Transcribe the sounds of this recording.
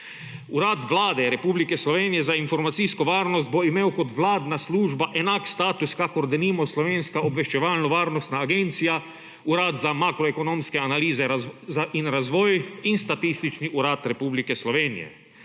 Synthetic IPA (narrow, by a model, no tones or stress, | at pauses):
uɾaːt̪ʋlaːd̪ɛɾɛpuːblikɛslɔʋeːnijɛzainfɔɾmat̪siskɔʋaːɾnɔst̪̚boimeːwkɔt̪ʋlaːd̪nasluːʒbaʔɛnakst̪aːt̪uskakɔɾd̪ɛnimɔslɔʋeːnskaɔbʋɛʃt͡ʃɛʋaːlnɔʋaːɾnɔst̪naːɡent̪sija | uɾaːt̪zamaːkɾɔekonoːmskɛanaliːzɛzaʔinɾazʋɔːjinst̪at̪ist̪it͡ʃniʔuɾaːt̪ɾɛpuːblikɛslɔʋeːnḭjɛ̰